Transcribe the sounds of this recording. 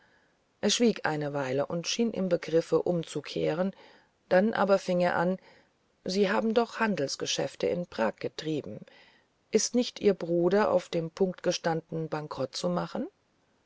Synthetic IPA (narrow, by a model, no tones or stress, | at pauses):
ʔeːɐʃv̥iːkʰʔa̰ɪnəvaɪləʔʊntʃiːnʔɪ̰mbəɡʁɪfəʔʊmt͡sukʰḛːʁ̞ən | d̥anʔa̰ːbɐfɪŋeːɐʔan | ziːɦaːbm̩dɔχhandl̩sɡ̥əʃɛ̰ftə̰ɪ̰npʁ̥aːk̚ɡ̥ətʁ̥iːbm̩ | ʔɪstnɪçtʔiːɐbʁuːdɐʔa̰ʊfd̥eːmpʰʊŋk̚tɡ̥əʃtandnəbaŋkʁ̥ɔt̚t͡sumaχn̩